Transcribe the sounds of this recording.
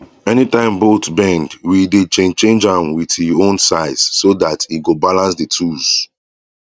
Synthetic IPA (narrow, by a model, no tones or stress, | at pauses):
ɛnitãɪ̃mbotbɛ̃ndwidet͡ʃẽnt͡ʃẽnd͡ʒãmwiðhiõnsaɪz̥ːodatiɡobalãnsditʰuz̥